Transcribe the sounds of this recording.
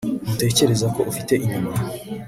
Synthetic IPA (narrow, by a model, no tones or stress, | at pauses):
mute̞ːce̞ɾe̞zako̞ʔufite̞ʔiɲuma